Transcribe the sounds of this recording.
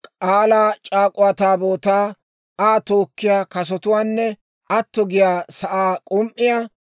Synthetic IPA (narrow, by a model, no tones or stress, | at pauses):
kʼaːlaːt͡ʃʼaːkʼʊwat̪aːboːt̪aː | aːt̪o̞ːkːɪjaːkɐs̬ɔt̪ʊwaːnːɛ | ɐt̪ːɔɡɪjaːsɐʔaːkʼʊmʔɪja